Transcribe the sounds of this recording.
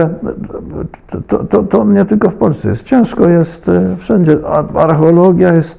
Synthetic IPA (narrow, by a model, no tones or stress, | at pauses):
ɛ | t̪ɔt̪ɔt̪ɔmɲɛt̪ɪlkɔfpɔlʲst̪sɛ̰jɛst̪t͡ɕɛnʂkɔjɛst̪fʂɛnd͡ʑɛa̰ɾxɛɔlɔɡjajɛst̪